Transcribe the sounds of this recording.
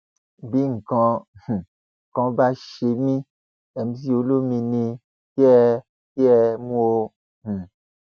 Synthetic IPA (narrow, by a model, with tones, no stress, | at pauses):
bi˦ŋ̩˨kɔ̃˧˨h̩˨ | kɔ̃˧˦ba˧ʃe˧mĩ˦ | ɛ˨m̩˦zi˦o˧˦lo˦mĩ˧nĩ˧ | ki˦ɛ˦˧ | ki˦ɛ˧mũ˦o˧ | m̩˨